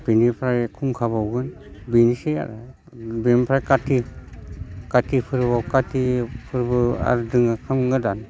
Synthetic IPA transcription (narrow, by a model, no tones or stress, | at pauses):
binipʰɾajkʰuŋkʰabawɡɯn | binisea̰ɾa | bempʰɾajkatʰi | katipʰɯɾbawkatipʰɯɾbɯa̰ɾdɯŋakʰɯmŋɯdan